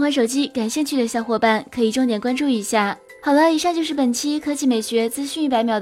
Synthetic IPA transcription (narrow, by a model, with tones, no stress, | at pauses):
xwa˥nʂo˨˩ʊt͡ɕi˥ka˨˩nɕi˥˧nt͡ɕʰy˥˩d̪ə˩˧ɕjɑ˥˧ʊxwɔ˥˧˩pa˥˩nkʰɤ˧˥i˨˩ʈ͡ʂʊ˥˩ŋt̪jɛ˨˩nkwa˥nʈ͡ʂu˥˩i˧˥ɕja˥˩ | xɑ˨˩ʊlɪi˧˥ʂɑ˥˧ŋt͡ɕjo˥˧ʊʂɻ̩˥˩pə˨˩nt͡ɕʰi˥kʰɤ˥t͡ɕi˥˩me˨˩ɪɕɥɛ˧˥t͡sɹ̩˥ɕy˥˧n˥˩pa˧˥ɪmjɑ˨˩ʊd